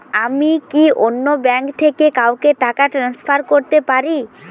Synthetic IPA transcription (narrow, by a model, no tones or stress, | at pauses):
amikiʔonːobɛŋkt̪ʰekekawkeʈakaʈɾanspʰaɾkoɾt̪epaɾi